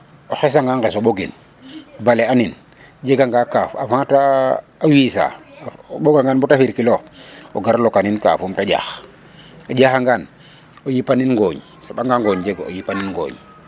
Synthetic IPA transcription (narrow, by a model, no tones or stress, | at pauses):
oxes̬aŋɡaŋɡesoɓoɡḭn | balɛanin | d͡ʒeɡaŋɡakafafãtaː | wisa̰ | ɓoɡaŋɡanbutafiɾkilooɡaɾlokaninka̰fumtaɟa̰x | oɟaxaŋɡan | ojipaninŋɡoːɲ | soɓaŋɡaŋɡoɲd͡ʒeɡoo̰jipaninŋɡo̰ːɲ